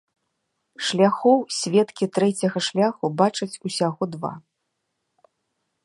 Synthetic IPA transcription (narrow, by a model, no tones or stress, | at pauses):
ʂlʲaxɔwsʲvʲɛt̪kʲit̪ɾɛt͡sʲɐɣɐʂlʲaxubat͡ʂɐt͡sʲusʲaɣɔd̪va̰